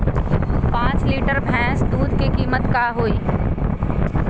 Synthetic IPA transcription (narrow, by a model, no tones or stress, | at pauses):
pãːsliːʈəɾbʱɛ̃ːsd̪uːd̪kekiːmət̪kaɦoːiː